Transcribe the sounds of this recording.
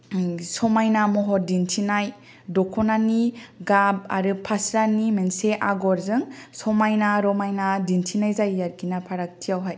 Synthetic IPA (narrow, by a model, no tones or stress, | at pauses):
sɔmajnamɔɦɔdintʰinaj | dɔkʰɔnaniɡab̚a̰ɾɯpʰasɾanimenseʔaɡɔɾzɯŋsɔmajnaɾɔmajnadintʰinajzajːaɾɡinapʰaɾak̚tʰijawɦaj